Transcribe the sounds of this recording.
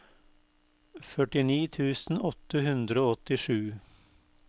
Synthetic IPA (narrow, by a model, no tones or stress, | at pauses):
fœʈɪniːt̪ʰʉːsn̩ɔt̪ːəhʉnd̪ɾəoːɔt̪ːɪʂʉː